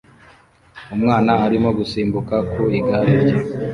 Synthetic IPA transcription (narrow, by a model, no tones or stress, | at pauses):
umŋaːnaːɾimo̞ɡusiːmbukakuiɡaɾeɾɟe